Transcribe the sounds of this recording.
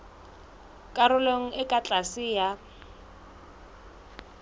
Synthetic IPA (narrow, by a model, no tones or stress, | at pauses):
kʼaɾʊleŋ̩ɪkʼat͡ɬʼasɪja